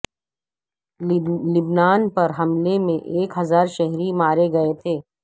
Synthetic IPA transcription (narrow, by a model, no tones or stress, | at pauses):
lɪbnaːnpɐɾɦɐmlemẽʔeːkɦɐzaːɾʃɛɦɾimaːɾeɡɐet̪ʰeː